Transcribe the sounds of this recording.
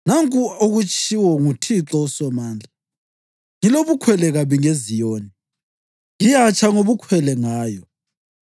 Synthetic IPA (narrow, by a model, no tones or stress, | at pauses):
naŋkʼuoɣut͡ʃʰʼiwɔŋutʰiǁɔsɛmaːnd͡ɮʱa | ŋiloβukʰwɛlɛɣaβiŋezijoːni | ŋijat͡ʃʰʼaŋoβukʰwɛlɛŋaːjɔ